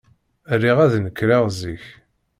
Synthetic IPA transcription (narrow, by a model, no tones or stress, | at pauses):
rːiʁæðnəkːɾaʁziç